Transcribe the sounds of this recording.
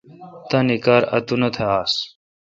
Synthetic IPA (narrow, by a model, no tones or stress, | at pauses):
t̪ɐnikaːɾɐ̰t̪unɐt̪ʰeaːs